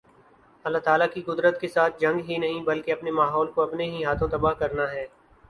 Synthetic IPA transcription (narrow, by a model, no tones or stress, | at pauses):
ɐlːaːt̪aːlakikʊd̪ɾət̪kesaːt̪̚ʰd͡ʒɐ̃ŋɡɦinɐɦĩbɐlkeɐpnemaːɦɔːlkoɐpneɦiɦaːt̪ʰõt̪ɐbaːɦkɐɾnaɦɛː